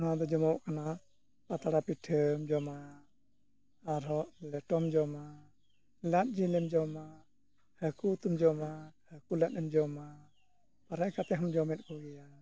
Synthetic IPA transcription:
ɦad̪ɔd͡ʒɔmɔwkana | pat̪aɽapiʈʰəmd͡ʒɔma | aɾɔʔlɛʈɔmd͡ʒɔma | lat̪̚ˀd͡ʒilɛmd͡ʒɔma | həkut̪umd͡ʒɔmahəkulat̪̚ɛmd͡ʒɔma | paɾɛʔkat̪ɛɦɔmd͡ʒɔmɛt̪̚kɔɡɛja

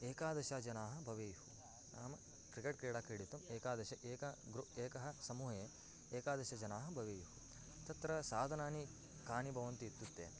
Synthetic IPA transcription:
eːkaːd̪ɐʃaːd͡ʒɐnaːɦɐ̆bʱɐʋeːjhu | naːmɐ | kɾikeʈkɾiːɽaːkɐɽit̪umeːkaːd̪ɐʃɐʔeːkɐɡɾueːkɐɦɐ̆sɐmuːɦeː | eːkaːd̪ɐʃɐd͡ʒɐnaːɦɐbʱɐʋeːjhu | t̪ɐt̪ɾɐsaːd̪ʱɐnaːni | kaːnibʱɐʋɐnt̪iːt̪ːut̪ːḛː

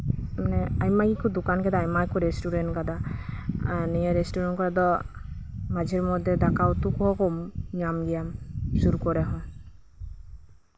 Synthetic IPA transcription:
mnɛajmaɡikud̪ukankɛd̪ajmakɔɾestuɾɛntɡad̪a | anijɛɾestuɾɛnkɔɾɛd̪ɔ | mad͡ʒɛɹmɔd̪ʱːɛd̪akawt̪ukɔɔkɔmɲamɡijamsuɾukɔɾɛɦɔ̃

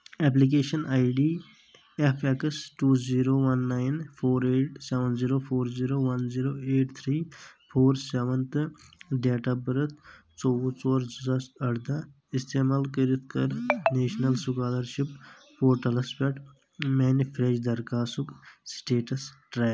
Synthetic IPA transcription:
ɛp̬lik̬eːʃɐnʔaːjɖiː | epʰekɐsʈuːziːɾoːʋɐnːaːjnpʰoːɾeːʈseʋənziːɾopʰoːɾziːɾoːʋɐnziːɾoːeːʈt̪ʰɾiːpʰoːɾseʋənt̪ɨɖeːʈabɐɾɐt̪ʰt͡sɔʋot͡sɔːɾzzasɐɽd̪a | ist̪eːmaːlkəɾit̪ʰkɐɾneːʃnɐlsukaːd̪ɐɾʃip | poːɾʈɐlɐspeʈ | mɛːnifʰɾed͡ʒd̪ɐɾkaːsuksʈeːʈɐsʈɾaːj

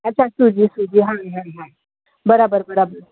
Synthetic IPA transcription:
ət̚ːt͡ʃʰasud͡ʑiːsud͡ʑiːɦãɦãɦã | bəɾabəɾbəɾabəɾ

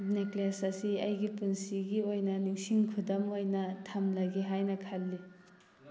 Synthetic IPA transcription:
neklasɐsiɐjɡipunsiɡiojnɐnuŋsiŋkʰudɐmojnɐtʰamlɐɡeɦajnɐkʰalːi

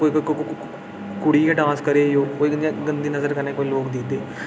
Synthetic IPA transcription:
koːikok | kʊɽiːkeʈãːskəɾeːjoːkoːiɡ̪ɡənd̪iːnəzəɾkəɾneːkoːiloːkd̪ɪd̪eː

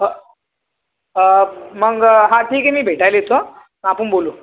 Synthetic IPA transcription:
məɡɦãʈʰiːkemiːbʱeʈajlet̪o | mapuɳboluː

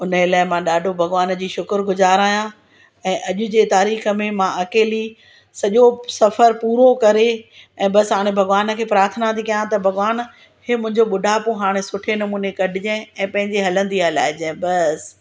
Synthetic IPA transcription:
ʊnəɪlaːɪmãːɗaːɖʱobʱɐɣʋaːnd͡ʑiːʃʊkəɾɡʊzaːɾaːjã | ɛ̃ːʔɐʄʊd͡ʑeːt̪aːɾiːxə̆mẽmãʔɐkeːli | sɐʄosɐfəɾpuːɾokɐɾeɛ̃ːbɐsɦaːɽ̃ẽbʱɐɣʋaːn̆kʰeːpɾaːɾt̪ʰənãt̪ʰikɐjãt̪ɐbʱɐɣʋaːn | hemʊ̃ɦɪ̃ɲd͡ʑoɓʊɖʱapoɦaːɽ̃esʊʈʰenɐmuːnekɐɖʱɪd͡ʑẽɛ̃ːpɐ̃ɦɪ̃ɲd͡ʑeɦɐlə̃nd̪iɐla̰ːɦɪd͡ʑẽːbɐs

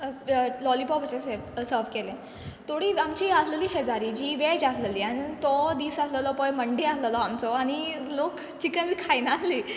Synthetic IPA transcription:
lɔlipɔbət͡ɕẽsesəɾʋkelẽ | t̪oɽiːamt͡ɕiːasləliːɕəd͡zaɾiːd͡ʑiːʋed͡ʑasləliːañit̪ɔd̪iːsasləlɔpɔjməɳɖiasləlɔamt͡sɔaɽ̃i | lok | t͡ɕikənd̪kʰajnasliː

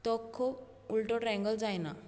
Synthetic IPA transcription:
t̪ɔkʰːɔ | ulʈɔʈɾɛ̃ŋɡəld͡zajna̰

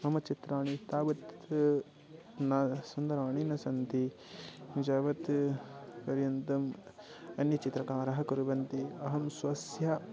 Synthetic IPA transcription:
ɐmɐt͡ʃit̪ɾaːɳit̪aːʋɐt̪ | nɐsɐnd̪ɐɾaːɳ̃inɐsɐnt̪i | d͡ʒaːʋɐt̪ | pɐɾjɐnt̪ɐmɐnjɐt͡ʃit̪ɾɐkaːɾɐɦɐkuɾuʋɐnt̪iɐɦɐmsʋɐsjɐ

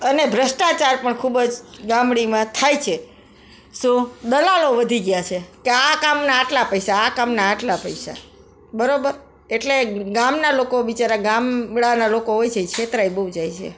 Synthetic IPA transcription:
ənebʱɾəsʈat͡ʃaɾpəɳkʰubd͡ʒɡamɽimãt̪ʰajt͡ʃʰe | sũd̪əlaloʋəd̪ʱiɡjat͡ʃʰekeakamnaːʈlapəjsaːkamnaːʈlapəisa̰ | bəɾobəɾ | eʈleɡamnalokoʋit͡ʃaɾaɡamɽanalokoɦojt͡ʃʰeit͡ʃʰet̪ɾajbəud͡ʒajt͡ʃʰḛ

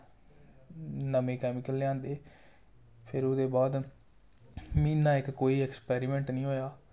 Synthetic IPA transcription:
nəmẽːkɛːmɪkəlːɪãːnd̪eː | pʰɪɾʊd̪eːbaːd̪ | mĩːnːãːɪkːoːiːɛkspɛːɾiːmɛ̃ːɳʈnĩːɦoːjaː

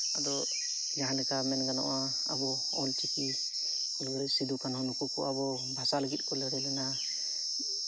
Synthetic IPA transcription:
ad̪ɔ | d͡ʒaɦãlɛkamɛnɡanɔ̰ʔa | abɔ | ɔlt͡ʃiki | ulɡɔɾɛsid̪ukanɦɔ̃nukukɔ̰abɔ | bʱasaləɡit̪̚ˀkɔlɛɽɛlɛna

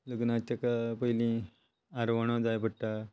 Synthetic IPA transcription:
ləɡnat͡ɕakapəilĩ | aɾʋəɳ̃õd͡zajbəʈːa

